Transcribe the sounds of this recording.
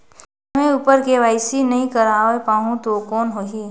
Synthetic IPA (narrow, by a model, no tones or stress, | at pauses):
mẽuːpəɾkeʋaːɪsinɐɦĩkəɾaːepaːɦũt̪okɔːnɦoːɦi